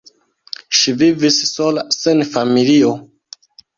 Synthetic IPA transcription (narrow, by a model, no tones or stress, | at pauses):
ʃivivissolasenfamilio